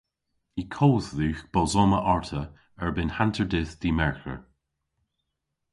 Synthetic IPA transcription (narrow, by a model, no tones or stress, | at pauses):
ikʰoːððʉːxb̥ɔzɔːməʔɔɹt̪ʰə | ɛɹbɪnhantʰəɹdɪθd̥̪iːmɛɹxə̰ɹ